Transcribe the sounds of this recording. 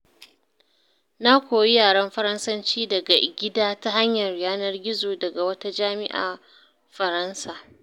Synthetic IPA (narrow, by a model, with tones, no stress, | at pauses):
na˦kʷoː˨ji˦jaː˨ɽɐ˦mɸɐ˦ɾɐ˦nsɐ˦nt͡ʃiː˦dɐ˨ɡa˨ɡʲɪ˦daː˦ta˦ɦa˦ɲjɐ˨rɽɪ˨jaː˦nɐ˦rɡʲɪ˦zoː˨dɐ˨ɡa˨wɐ˦ta˦d͡ʒaː˦mɪ˦ʔa̰ː˨ | ɸɐ˨ɾɐ˦nsaː˨